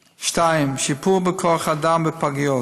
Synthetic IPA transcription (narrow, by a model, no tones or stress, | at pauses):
ʃtaɪmʃipʰuʁbəkʰɔaχadambəpʰaɡjɔ